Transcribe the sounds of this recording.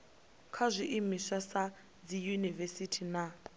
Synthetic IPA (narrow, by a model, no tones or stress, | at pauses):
kʰazʷiʔimisasa | d͡zijunivesitʰina